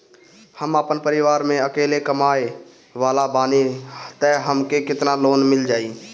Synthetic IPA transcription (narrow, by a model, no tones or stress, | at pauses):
həmaːpənpəɾɪʋaːɾmẽəkeːlekəmaːe | ʋaːlabaːnit̪ɛɦəmkekɪt̪naloːnmɪld͡ʒaːiː